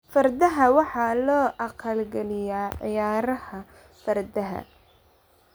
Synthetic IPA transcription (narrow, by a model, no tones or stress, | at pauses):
fɐrd̪ɐɦɐwɑħɑlɔːʔɐqɐlɡɛlɪjaːʕɪ̰jaːɾɐhɐ | fɐrd̪ɐɦɐ̰